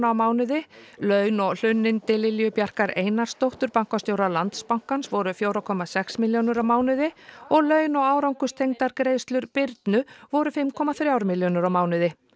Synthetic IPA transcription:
awmaːwnʏðɪlœɥnɔɣl̥ʏnːɪnt̪ɪlːɪljʏpjar̥kaɾeːjnaɾ̥st̪owht̪ʏɾpaŋ̥kast̪jowɾalant̪spaŋ̥kansvɔɾʏfjowɾakʰɔmasɛksmɪljownʏɾawmaːwnʏðɪɔɣlœːɥnɔɣaːwɾawŋkʏst̪ʰejŋt̪aɾkɾejðst̪lʏɾpɪɾt̪nʏvɔɾʏfɪmkʰɔmaθɾjawɾmɪljonʏɾawmaːwnʏðɪ

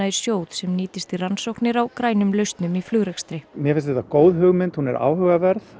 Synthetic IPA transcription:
aiɾ̥sjoːwt̪sɛmniːt̪ɪst̪iransowknɪɾawkɾaːjnʏmlœɥst̪nʏmiflʏːɣɾɛkst̪ɾɪmjɛfɪnst̪ht̪akoːwðɦʏɣmɪnt̪hunɛɾʔa̰ːwhʏɣavɛɾθ

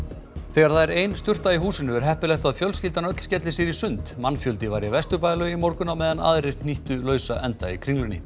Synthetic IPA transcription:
θɛɣaɾ̥θaðɛɾejnst̪ʏr̥t̪aiɦuːsɪnʏɛɾ̥ɦɛhpɪlɛxt̪aðfjœlscɪlt̪anœt̪l̥scɛt̪lɪsɪɾisʏnt̪manːfjœlt̪ɪvaːjɾjavɛst̪ʏpaːjlœimɔɾkʏnawmɛːðana̰ːðɾɪɾn̥iht̪ʏlœːɥsaʔɛnt̪a̰ikʰɾiŋlʏnɪ

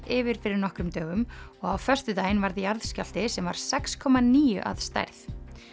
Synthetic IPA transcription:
ɪvɪɾ̥fɪɾɪɾnɔhkɾʏmt̪œːɣʏmɔɣawfœr̥st̪ʏt̪aːjɪnvaɾðɪjaɾðscal̥t̪ɪsɛmva̰ɾ̥sɛkskʰɔːmaniːjʏ̰ʔa̰ðst̪a̰jɾθ

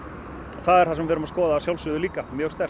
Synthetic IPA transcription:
ɔθaðɛɾ̥θasɛmvɛːɾʏmaskɔːðaːsjawlsʏðʏliːkamjœːɣst̪ɛr̥t̪

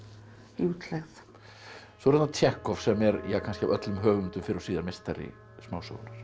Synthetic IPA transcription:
uːt̪lɛɣð | sɔɾɛt̪nat̪ʰjɛhkɔfsɛmɛɾjakʰans̬cɪa̰vœt̪lʏmɦœːɣʏmnt̪ʏmfɪɾɪɾɔsiːðaɾmɪst̪aɾḭ | smaːwso̰wɾnaɾ̥

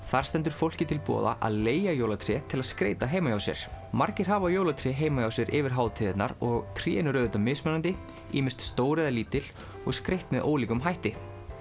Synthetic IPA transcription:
θaɾ̥st̪ɛnt̪̬ʏɾ̥fowl̥cɪt̪ʰɪlpɔ̰ːða̰ʔa̰ðleːjajowlat̪ʰɾɪɛt̪ʰɪlaðskɾḛjt̪aɦeːjmajawsjɛ̰ɾ̥maɾcɪɾ̥ɦaːvajowlat̪ʰɾɪɛɦeːjmajawsjɛɾʔɪvɪɾ̥ɦaːwt̪ʰiːðɪt̪na̰ɾɔɣt̪ʰɾḭːɛnʏɾœːðʏt̪amɪsmɛnant̪ɪ | ḭːmɪn̥st̪st̪oːwɾɛðaliːt̪ɪl̥ | ɔɣskɾejht̪mɛðʔo̰ːwliːkʏmɦajht̪ɪ

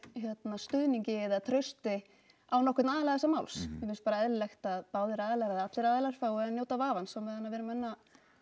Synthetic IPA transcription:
çjɛt̪nast̪ʏðniɲcɪɛðɪat̪ʰɾœɥst̪ɪ | awnɔkʏt̪naːðɪlaɣðɛsːamaːwlsjɛmɪnspaːɾaɛðlɛxt̪aðpaːwðɪɾaːðɪlaɾaðat̪lɪɾaːðlaɾ̥faːwɛðanjoːwt̪avaːvansɔwmvɛðanːavɛːɾʏmɛnːa

